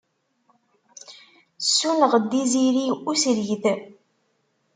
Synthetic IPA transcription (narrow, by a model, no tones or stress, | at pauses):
sːunəʁd̪ːiziɾiusɾʝθ